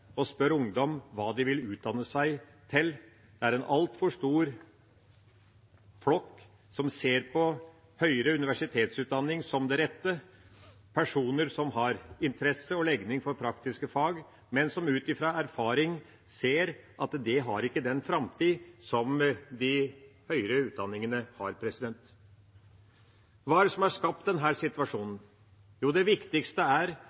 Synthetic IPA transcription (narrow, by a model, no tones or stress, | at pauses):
ɔspœɾʊŋd̪ɔmʋɑːd̪ɪʋɪlʉːt̪̚d̪ɑnːəsæɪ | t̪ʰɪl | d̪̥ɛæɾɛnʔɑ̰lt̪fɔʂt̪uːɾ | flɔkː | sɔmseːɾpʰɔ | hœʏɾəʉnɪʋæʂɪt̪ʰeːt̪sʉːt̪̚d̪ɑnːɪŋsɔmd̪ɛɾɛt̪ːə | pʰæʂuːnəɾsɔmɦɑɾɪnt̪ʰəɾɛsːəɔlɛɡnɪŋfɔɾpʰɾɑkt̪ɪskəfɑːɡ | mɛnsɔmʉːt̪ɪfɾɑæɾfɑːɾɪŋ | seːɾʔɑt̪d̪ɛɦɑɾɪkːəd̪ɛnfɾɑmt̪ʰiːsɔmd̪ɪhœʏɾəʉːt̪̚d̪ɑnːɪŋənəhɑ̰ɾpʰɾɛsɪd̪ɛnt̪ | ʋɑːæɖɛsɔmæʂkɑp̚t̪̚d̪ɛnɦæːɾsɪt̪ʋɑʂuːnən̩ | juːd̪ɛʋɪkt̪ɪkst̪əæɾ